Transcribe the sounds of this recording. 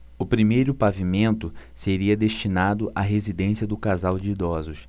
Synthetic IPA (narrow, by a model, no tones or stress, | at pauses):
ʊpɾimejɾʊpavimẽnt̪ʊseɾiɐd̪eʃt͡ʃinad̪ʊʔaɦezid̪ẽsiɐd̪ʊkazawd͡ʒɪid̪ɔzʊs